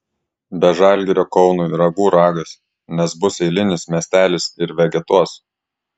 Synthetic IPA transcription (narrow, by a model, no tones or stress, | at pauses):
bʲɛʒɑˑlʲɡʲɪɾʲokɒʊnuːiɾɐɡuːɾɑːɡɐs | nʲɛsbʊsɛɪlʲɪnʲɪsmʲɛsʲt̪ʲæːlʲɪsɪɾʋʲɛɡʲɛt̪uɔs